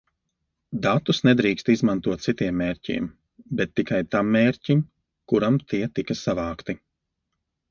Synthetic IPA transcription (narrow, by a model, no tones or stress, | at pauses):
d̪at̪usnɛd̪ɾiːkst̪izmant̪uɔt̪t̪sit̪iɛmːeːɾʲcḭɛm | bɛt̪ːikajt̪amːeːɾcim | kuɾamt̪ʰiɛt̪ikɐsavaːkt̪i